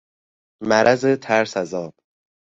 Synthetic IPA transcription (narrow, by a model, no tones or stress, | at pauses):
mæɾʔæzet̪ʰæɾsæzɒːb